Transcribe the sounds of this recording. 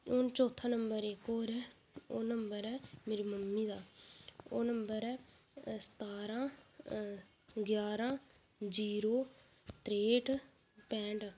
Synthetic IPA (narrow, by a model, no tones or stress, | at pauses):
oːnt͡ʃoːt̪ʰãːnəmbəɾekoːɾɛː | oːnəmbəɾɛːmeːɾiːməmːiːd̪aːoːnəmbəɾɛː | sə̥t̪aːɾãː | ɡjaːɾãː | d͡ʒiːɾoː | t̪ɾeːʈ | pɛ̃ːɳʈ